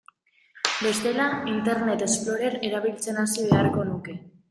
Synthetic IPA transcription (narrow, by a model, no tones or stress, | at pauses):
be̞st̪e̞laint̪e̞ɾne̞t̪e̞splo̞ɾe̞ɾe̞ɾaβ̞ilt͡se̞nasiβe̞arko̞nuke̞